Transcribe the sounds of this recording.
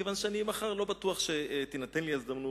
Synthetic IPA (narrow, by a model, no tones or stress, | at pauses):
kevanʃeanimaχaʁlo̞bat̪uaχʃe̞t̪inat̪enliezd̪amnu